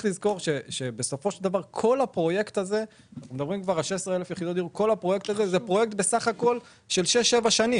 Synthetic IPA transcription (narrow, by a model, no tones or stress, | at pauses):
lizko̞ʁʃeʃebe̞so̞fo̞ʃeld̪avaʁkʰo̞lhapʁo̞je̞kt̪aze̞ | naχnumed̪abʁimkvaʁalʃesʁeelefjeχid̪otd̪iʁuko̞lhapʁo̞je̞k̚t̪azezepʁojek̚t̪be̞saχako̞l | ʃe̞lʃeʃe̞vaʃani